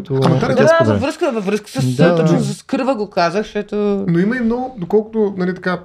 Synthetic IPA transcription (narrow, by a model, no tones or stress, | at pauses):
t̪komɛt̪aɾd̪d̪avɐvɾɤskəvɐvɾəskə̥səst̪ot͡ʃnozɐskɤɾvəɡokazəxʃt̪ɔt̪onoimɐimnɔɡʊd̪okɔlˠkʊt̪onalit̪ɐka